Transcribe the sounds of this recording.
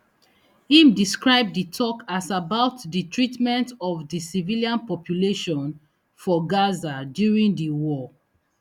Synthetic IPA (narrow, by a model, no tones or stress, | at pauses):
hĩmdiskɹaɪb̚dətʰɔkasabaʊtðətʰɹitmɛ̃ntɔvðəsiviliãnpɔpʰjuleʃɔ̃n | fɔɡazadjuɹĩndəwɔ